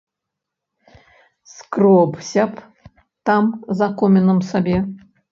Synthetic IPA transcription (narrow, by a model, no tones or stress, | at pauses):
skrɔbsʲap | t̪ɑmzakomʲɪnəmsabʲe